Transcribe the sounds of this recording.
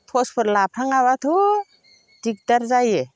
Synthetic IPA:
pʰɔspʰɯɾlapʰɾaŋaβatʰɔ | dik̚daɾzaje

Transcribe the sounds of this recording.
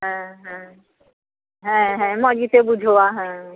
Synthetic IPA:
ɦɛ̃ɦɛ̃ | ɦɛ̃ːɦɛ̃mɔd͡ʑit̪ebud͡ʒʱowaɦɛ̃

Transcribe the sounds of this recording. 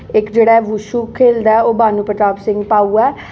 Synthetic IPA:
ɪkd͡ʒeːɽaːɛʋʊʃuːkʰeːld̪aːɛoːbaːnuːpəʈaːbsɪ̃ŋɡpaːuːɛː

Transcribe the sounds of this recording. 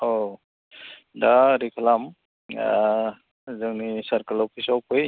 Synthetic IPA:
ɔ | daɾikʰalam | zɯŋnisaɾkalɔpʰisɔwpʰɯj

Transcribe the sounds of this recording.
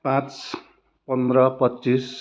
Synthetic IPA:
pãt͡s | pʌnd̪ɾʌpʌt͡sːis

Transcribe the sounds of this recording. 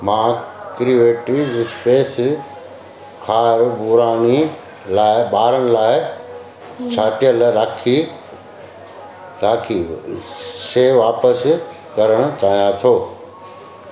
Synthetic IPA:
mãːkɾiʋeːʈiʋzɪspeːs | kʰaːɾbuɾaːni | laːɪɓaːɾəɽ̃ɪ̆laːɪ | t͡ɕʰaːʈijəlɾaːkʰi | ɾaːkʰi | seːʋaːpəs | kɐɾəɽ̃ʊ̆t͡ɕaːɦijãt̪ʰoː

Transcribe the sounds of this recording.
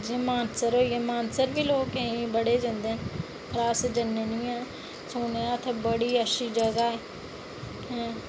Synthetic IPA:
d͡ʒẽːmaːnsəɾɦoːiːɛːmaːnsəɾbiːloːkəɦĩbəɽeːd͡ʒãːnd̪eːn | ɾaːsd͡ʒənːenĩːãː | soːneãt̪ʰebəɽiːəʃiːd͡ʒəɡaːeː | ɦɛ̃ː

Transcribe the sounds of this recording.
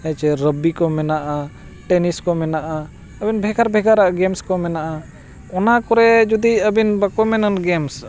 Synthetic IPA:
əjt͡ʃɛɾəbikɔmɛnaʔa | ʈɛniskɔmɛnaʔa | əbinbʱɛɡaɾbʱɛɡaɾaʔɡɛmskɔmɛnaʔa | ɔnakɔɾɛd͡ʒud̪iəbinbakɔmɛnanɡɛms

